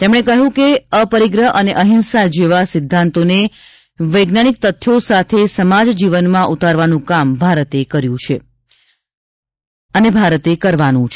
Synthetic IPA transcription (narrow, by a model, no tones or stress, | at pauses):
t̪emɽ̃ekəɦjũkeəpəɾiɡɾəɦʔəneʔəɦinsad͡ʒeʋasɪd̪ʱːãnt̪one | ʋəjɡnañik̚t̪ət̪ʰːjosat̪ʰesəmad͡ʒd͡ʒiʋənmãʔut̪aɾʋanũkambʱaɾət̪ekəɾjũt͡ʃʰe | ənebʱaɾət̪ekəɾʋanũt͡ʃʰ